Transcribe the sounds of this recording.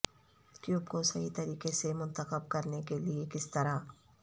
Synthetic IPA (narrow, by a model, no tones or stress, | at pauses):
ʈjuːbkosɐɦit̪ɐɾiːqesemʊ̃nt̪əqəb̚kɐɾnekeliekɪst̪ɐɾa